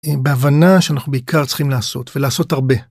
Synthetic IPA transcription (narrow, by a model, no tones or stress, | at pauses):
ibeavanaʃeanaχnubeikʰaʁt͡sχimlaːso̞tvelaːso̞taʁbe̞